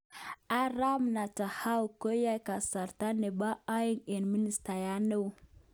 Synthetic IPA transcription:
a˦ɾa˦mna˨ta˨ha˦wu˨ko˦ja˦jka˨sa˨ɾta˦ne˨ba˦a˦ji˦ŋe˨nmi˦ni˨sta˨ja˦ne˦˨

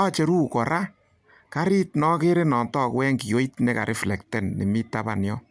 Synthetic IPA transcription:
t͡ʃe˨ɾu˦kɔ˨ɾʔa˦ | ka˦ɾi˦tnɔ˦ke˦ɾe˦nɔ˨ntɔː˦˨kwɛ˦ŋki˨jo˦i˦tne˦ka̰˨ɾʔɪ˦flɛ˨ktɛ˦nːḛ˨mi˦ta˦ba̰˨njɔ̰˦

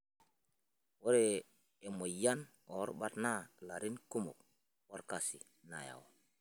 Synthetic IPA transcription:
wo˦ɾe˦˨ | e˨mo˨ja˦n | o˨˦ɾba˦tna˦la˨ɾi˦nku˦mṵ˨k̚ | wo˦ɾka˨si˨ | na̰˨ja̰˨wo˨

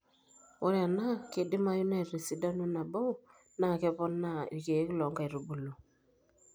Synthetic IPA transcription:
ɔ˦ɾja˨na˦ke˨dɪ˦ma˦ju˦nɛ˦˨ɾi˨si˨da˦nu˦na˨bo˦˨ | na˦˨kɛ˦pɔ˦nːa̰˦˨ke˨˦klɔ˨ŋɡa˦˨ɾo˨bu˨lo˨

